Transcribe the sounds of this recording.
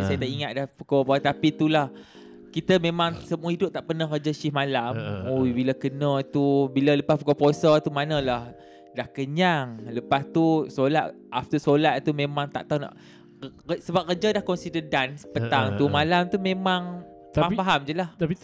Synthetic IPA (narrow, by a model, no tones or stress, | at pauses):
sajaət̪aʔiŋat̪̚dahpukopt̪apit̪ulah | kit̪əmẽmaŋsəmuaidʊp̚t̪aʔpərnahkəd͡ʒaʃɪhmãlamobiləkənə̃t̪ubilələpaspukoposət̪umanə̃lah | dahkəɲaŋləpast̪usolat̪ | aft̪usolat̪̚t̪umẽmaŋt̪a̰ʔt̪awna̰ʔ | kəsəbap̚kəd͡ʒadahkɔnsidədanspət̪aŋt̪umãlamt̪umẽmaŋ | ampaɦamd͡ʒəlah̪